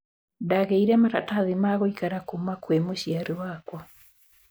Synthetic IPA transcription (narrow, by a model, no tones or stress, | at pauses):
daɣeiɾɛmaɾa̰taðimaɣɔikaɾakomakwemoʃiaɾiwakwɔ